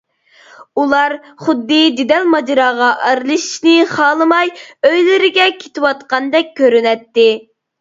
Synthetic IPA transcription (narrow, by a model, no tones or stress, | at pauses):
ulˠɑɾ | χʊd̪ːɨd͡ʒ̪ed̪ɛlmɑd͡ʒɑɾɑːʁɑʔæɾlˠɨʃi̥ʃnɪχɑːlˠɨmɑjøjlɪɾɪɡʲɛkʲʰe̥t̪ʰɪwɑt̪qɑnd̪ɛk̚ʲʰːøɾynɛt̪ːɪ